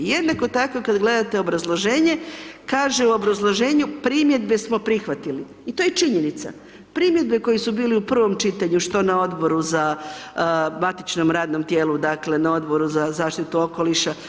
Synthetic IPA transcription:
jed̪nako̞t̪akokad̪ɡle̞d̪at̪e̞o̞bɾazlˠo̞ʒe̞ːɲe̞kaːʒeuo̞bɾazlˠo̞ʒe̞ːɲupɾiːmje̞d̪be̞smo̞pɾixʋat̪ili | it̪o̞jet͡ʃiɲe̞nit̪sa̰ | pɾiːmje̞d̪be̞ko̞jisubiːliupr̩ʋo̞mt͡ʃit̪aɲuʃt̪o̞nao̞d̪bo̞ɾuza | mat̪it͡ʃno̞mɾaːd̪nomt̪jeːlud̪akle̞nao̞d̪bo̞ɾuzazaːʃt̪it̪uo̞ko̞liʃa

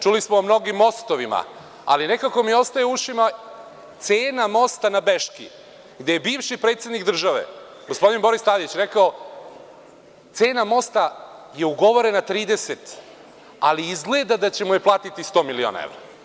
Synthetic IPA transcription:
t͡ʃulismoːmno̞ɡimːo̞st̪oʋima̰ | a̰line̞kako̞mio̞st̪ajeuʃima | t̪se̞ːnamo̞st̪anabe̞ʃkḭ | ɡd̪ejebiːʋʃipɾe̞ːt̪sjed̪nikd̪r̩ʒaʋe̞̰ | ɡo̞spo̞d̪inbo̞ɾist̪ad̪it͡ɕɾe̞kao | t̪se̞ːnamo̞st̪aje̞uɡo̞ʋo̞ɾe̞nat̪ɾiːd̪e̞se̞t̪ | aliizɡle̞d̪ad̪at͡ɕe̞mujeplˠaːt̪it̪ist̪o̞ːmilio̰ːna̰ḛʋɾa̰

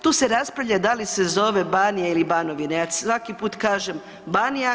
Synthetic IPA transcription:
t̪uːse̞ɾaspɾaʋʎad̪alise̞zo̞ʋe̞banijailibanoʋineasʋakipuːt̪kaːʒem | banija

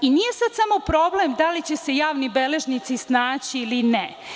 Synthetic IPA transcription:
inije̞sad̪samopɾo̞blemd̪alit͡ɕese̞jaːʋnibeleʒnit̪sisnaːt͡ɕiiline

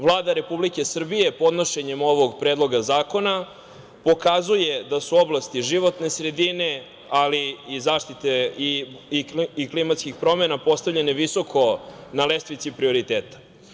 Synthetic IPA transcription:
vlˠaːd̪aɾe̞publikesr̩bije̞po̞d̪no̞ʃe̞ɲemo̞ʋoɡpɾeːd̪lˠo̞ɡazaːko̞na | po̞kazuje̞d̪asuo̞blˠast̪iʒiʋo̞t̪ne̞sɾe̞d̪ine̞ | aliizaːʃt̪it̪eiiiklimat̪skixpɾo̞menapo̞st̪avʎe̞neʋiso̞kʰo̞nalest̪ʋit̪sipɾio̞ɾit̪eːt̪ḁ

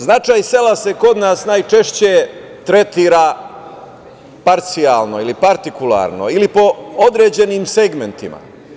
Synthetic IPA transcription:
znat͡ʃaːjse̞lase̞ko̞d̪naːsnajt͡ʃe̞ʃt͡ɕe | t̪ɾe̞t̪iːɾaː | paɾt̪sijaːlno̞ilipaɾt̪ikulˠa̰ːɾno̞̰ilipo̞od̪ɾe̞ːd͡ʑe̞niːmse̞ɡme̞nt̪ḭma̰

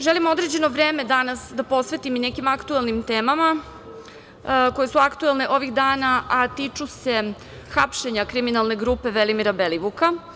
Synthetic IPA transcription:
ʒelimo̞d̪ɾe̞d͡ʑe̞noʋɾe̞ːme̞d̪anasd̪apo̞sʋe̞t̪imine̞kimakt̪uelnimt̪eːmama | ko̞je̞suakt̪uelˠne̞ʔo̞ʋiɣd̪aːnaat̪iːt͡ʂuse̞ | xapʃe̞ɲakɾiminalˠne̞ɡɾuːpe̞ʋelimiɾabeliʋuka

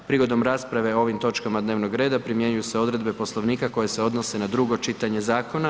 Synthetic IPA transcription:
pɾiːɡo̞d̪o̞mɾaːspɾaʋe̞o̞ʋimt̪o̞t͡ʃkamad̪neːʋno̞ɡɾe̞ːd̪apɾimje̞ɲujuseo̞d̪ɾe̞d̪be̞poslˠo̞ʋniːkako̞je̞seo̞d̪no̞se̞nad̪ɾuɡo̞t͡ʃit̪aɲe̞zaːko̞na

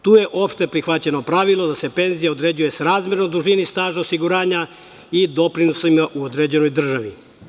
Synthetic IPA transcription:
t̪uːje̞ʔo̞pʃt̪e̞pɾixʋat͡ɕe̞no̞pɾaʋilˠo̞d̪ase̞pe̞nzijaod̪ɾe̞ːd͡ʑuje̞sɾaːzmʲje̞ɾnod̪uʒinist̪aːʒaosiɡuɾaːɲa | id̪o̞pɾinosaimaʔuod̪ɾed͡ʑe̞no̞jd̪r̩ʒaʋi

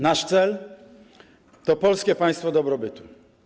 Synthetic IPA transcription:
naʂt̪sɛl | t̪ɔpɔlskʲɛpãj̃st̪fɔd̪ɔbɾɔbɘt̪u

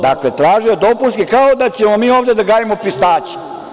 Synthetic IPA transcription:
d̪aklet̪ɾaːʒijod̪o̞puskikaod̪at͡ɕemomiːo̞ːvd̪e̞d̪aɡaːjemopist̪aːt͡ɕi̥

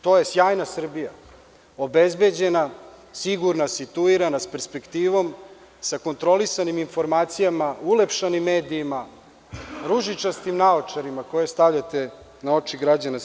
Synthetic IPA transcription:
t̪o̞ːje̞sjaːjnasr̩bija̰ | o̞bezbe̞d͡ʑe̞na | siɡuɾnasit̪uiɾanaspe̞ɾspe̞kt̪iːʋo̞m | sako̞nt̪ɾo̞lisaniminfo̞ɾmaːt̪sijamaulepʃanimːe̞ːd̪iːma | ɾuʒit͡ʃast̪imnaot͡ʃaɾimako̞je̞st̪aʋʎat̪e | nao̞t͡ʂiɡɾad͡ʑana

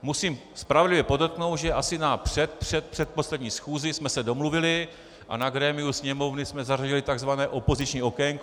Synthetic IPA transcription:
musiːm | spɾavɛdlɪvjɛpo̞dot̪̚kno̞wt̪ʒɛʔasɪnapr̥ɛt̪pr̥ɛt̪̚pr̥ɛt̪̚po̞slɛdɲiːsxuːzɪsmɛsɛdo̞mluvɪlɪ | ʔa̰naɡɾɛːmɪusɲɛmo̞vnɪsmɛzaraɟɪlɪt̪aɡzvanɛːʔo̞po̞zɪt͡ʃɲiːʔo̞kɛjŋk

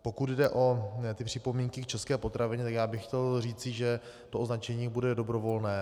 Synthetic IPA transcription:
po̞kud̪dɛʔo̞t̪ɪpr̝̥ɪpo̞miːŋkɪkt͡ʃɛskɛːpo̞t̪ɾavɪɲɛt̪akjaːbɪxxcɛlriːt͡sɪʒɛ | t̪oʔoznat͡ʃɛɲiːbudɛdo̞bɾo̞vo̞lnɛː

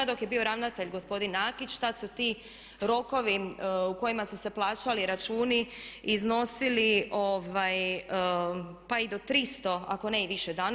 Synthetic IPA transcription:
ad̪o̞kje̞bio̞ɾaʋnat̪e̞ʎɡo̞spo̞d̪inaːkit͡ʃt̪at̪sut̪i | ɾo̞ko̞ʋiuko̞imasuse̞plˠaːt͡ʃaliɾat͡ʃuːniizno̞siliʔoʋaj | paid̪o̞t̪ɾist̪o̞a̰ko̞neiʋiʃed̪aːn

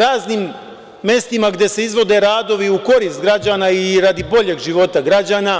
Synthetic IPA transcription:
ɾaːznimː | e̞st̪imaɡd̪je̞se̞izʋo̞d̪e̞ɾaːd̪o̞ʋiuko̞ɾist̪ɡɾad͡ʑaːnaiɾad̪ibo̞ʎe̞ːɡʒiʋo̞t̪aɡɾad͡ʑaːna

